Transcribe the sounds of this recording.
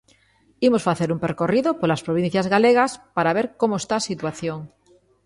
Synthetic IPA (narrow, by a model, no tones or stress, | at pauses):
imosfaθe̞ɾumpeɾkoriðopolaspɾoβ̞in̟θjazɣaleɣ̞aspaɾaβ̞e̞ɾkomoest̪asit̪waθjoŋ